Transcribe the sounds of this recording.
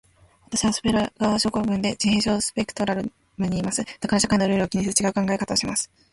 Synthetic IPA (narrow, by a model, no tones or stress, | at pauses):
at̪aɕiβaso̥beɾaɡaβaɕo̞ːko̞ɡɯ̟̃nd̪e̞d͡ʑihẽ̞ɰɕo̞ːsɨ̥pe̞kɯ̟̥t̪o̞ɾaɾɯ̟ | mɯ̟ɲ̟iːmasɨd̪̥akaɾaɕakaĩnoɾeɾɯkʲiɲ̟iɕɨt͡ɕiɡaɯ̟kãŋɡae̞kat̪aoɕimasɨ̥